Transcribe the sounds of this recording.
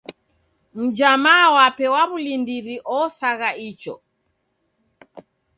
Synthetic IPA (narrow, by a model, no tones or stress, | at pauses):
m̩d͡ʒamaːwapɛwaβulindiɾiʔɔsaɣait͡ʃɔ̰